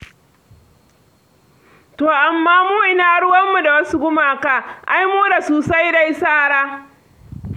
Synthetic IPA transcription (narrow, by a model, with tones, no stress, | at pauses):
toː˨ʔa˨mːaː˦muː˦ʔɪ˦naː˦ɽʊ˦wɐ˦mːu˨da˨wɐ˦su˦ɡʷʊ˦maː˨ka˨ʔa˦jmuː˦da˨soː˨sa˦jda˨jsaː˦˨ɽaː˦